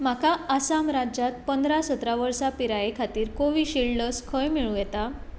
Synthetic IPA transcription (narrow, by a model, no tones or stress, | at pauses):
m̤akaasamɾad͡ʑat̪pənd̪ʱɾasət̪ɾaʋəɾsapiɾajekʰat̪iːɾkoʋiːɕiɭɖəskʰəjmiɭũjɛt̪a